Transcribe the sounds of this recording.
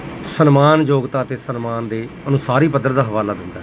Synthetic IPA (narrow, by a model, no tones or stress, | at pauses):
sənmaːnd͡ʒoːɡt̪aːət̪eːsənmaːnd̪eː | ənʊ̃ːsaːɾiːpəd̪ːəɾd̪aːɦəʋaːlaːd̪ɪnd̪a̰ː